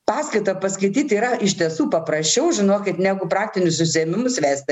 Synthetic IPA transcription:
pɑːskɐɪt̪ɐpɐskɐɪt̪ʲiːt̪iːɾɐɪʃʲt̪ʲiɛsuːpɐpɾɐsʲt͡ʃʲɛʊʒʲɪnoːkʲɪt̪nʲæːɡʊpɾɑːk̚t̪ʲɪnʲʊssʊsʲɪɛmʲɪmʊsʋʲæːsʲt̪ʲɪ

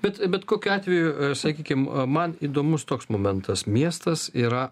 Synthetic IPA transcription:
b̥ʲɛt̪bʲɛt̪koːkʲʊɑːt̪ʲʋʲɛjʊsɐkʲiːkʲɪmmɐniːd̪oːmʊst̪oːksmoːmʲɛnt̪ɐsmʲiɛst̪ɐsiːɾɐ

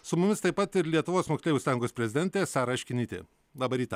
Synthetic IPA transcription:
sʊmʊmʲɪst̪ɐɪpɐt̪ɪɾlʲiɛt̪ʊʋoːsmoːksʲeːjʲʊːsɑːjɪ̃ŋɡoːspʲɾʲɛzʲɪd̪ɛnʲt̪ʲeːsɑːɾɐɐʃʲkʲɪnʲɪt̪ʲḛː | lˠɑːbɐɾʲiːt̪ɐ

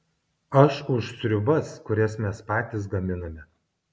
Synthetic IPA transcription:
ɐʃʊʃsʲɾʲʊbɐskʊɾʲɛsmʲɛspɑːt̪ʲɪs̬ɡɐmʲɪnɐmʲɛ

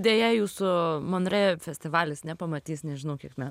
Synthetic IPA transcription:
d̪ʲeːjɛjuːsʊmonɾʲɛfʲɛsʲt̪ʲɪʋɑːlʲɪsnʲɛpɐmɐt̪ʲiːsnʲɛʒʲɪnɐʊkʲiɛkmʲɛ

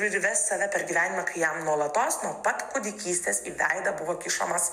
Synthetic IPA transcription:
ɪɾʲʋʲɛsːɐʋʲɛpʲɛɾɡʲiːʋʲæːnʲɪmɛkɐɪjɛmnuɔlˠɐt̪oːsnuɔpɐt̪kʊd̪ʲɪkʲiːsʲt̪ʲeːsiːʋʲɛɪd̪ɐbʊʋoːkʲɪʃo̰mɐs

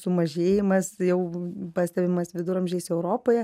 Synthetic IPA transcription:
sʊmɐʒʲeːjɪmɐsjɛʊpɑːsʲt̪ʲɛbʲɪmɐsʋʲɪd̪ʊɾɐmʲʒʲeːɪsɛʊɾoːpoːjɛ

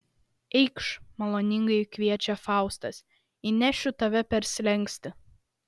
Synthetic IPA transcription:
ɛɪkʃmɐlˠoːnʲɪŋɡɐɪkʋʲiɛt͡ʃʲɛfɑˑʊst̪ɐs | ɪnʲæʃʲʊt̪ɐʋʲɛpʲɛɾʲsʲlʲɛŋʲˑksʲt̪ʲɪ

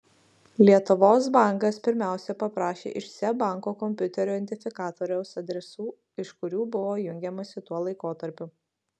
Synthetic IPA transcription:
lʲiɛt̪ʊʋoːs̬bɑˑŋkɐspʲɪɾʲmʲæˑʊsʲɛpɐpɾɑːʃʲḛːʔɪʃsʲɛbɑˑŋkoːkɔmʲpʲʊt̪ʲɛɾʲuːɛnʲt̪ʲɪfʲɪkɑːt̪oːɾʲɛʊsɐd̪ʲɾʲɛsuː | ɪʃkʊɾʲuːbʊʋoːjʊŋʲɡʲɛmɐsʲɪt̪uɔlˠɐɪkoːt̪ɐɾʲpʲʊ

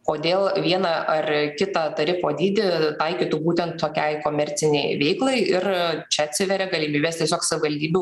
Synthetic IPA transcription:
koːd̪ʲeːlˠʋʲiɛnɐʔɐrkʲɪt̪ɐt̪ɐɾʲɪfoːd̪ʲiːd̪ʲɪt̪ɐɪkʲiːt̪ubuːt̪ʲɛnt̪t̪oːkʲɛɪkoːmʲɛɾʲtt͡s̪ʲɪnʲɛɪʋʲɛɪklˠɐɪɪrt͡ʃʲɛɐt̪ʲsʲɪʋʲɛɾʲɛɡɐlʲiːmʲiːbʲeːst̪ʲiɛsʲoːksɐʋʲɪʋɐlʲd̪ʲiːbʲu

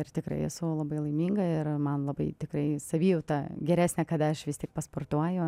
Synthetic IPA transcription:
ɪrt̪ʲɪkɾɐ̰ɪɛsʊlˠɐbɐɪlˠɐɪmʲiːŋɡɐɪrmɐnlˠɐbɐɪt̪ʲɪkɾɐɪsɐʋʲiːjɛʊt̪ɑːɡʲɛɾʲæːsʲnʲɛkɐd̪ɐɐʃʋʲɪst̪ʲiɛk̚pɐsport̪uɔjʊ

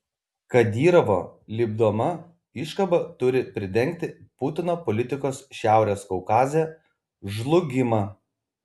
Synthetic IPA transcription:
kɐd̪ʲiːɾɐʋo̰ːlʲiːbd̪oːmɐ | ɪʃkɐbɐt̪ʊɾʲɪpʲɾʲɪd̪ʲɛŋʲk̚t̪ʲɪpʊt̪ʲɪnoːpɔlʲɪt̪ʲɪkoːsʃʲæˑʊɾʲeːskɔʊkɑːzʲe | ʒlˠʊɡʲɪmɐː

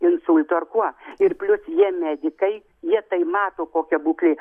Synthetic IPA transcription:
ɪnsʊlʲt̪ʊɐrkuɔɪrpʲlʲʊsjiɛmʲæːd̪ʲɪkɐɪ | jiɛt̪ɐɪmɑːt̪oːkoːkʲɛbuːklʲeː

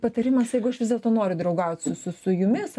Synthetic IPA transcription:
pɐt̪ɐɾʲɪmɐsjɛɪɡʊɐʃʋʲɪzdʲɛlˠt̪oːnoːɾʲʊd̪ɾɐʊɡɐʊt̪ʲsʊsʊsʊjʊmʲɪs

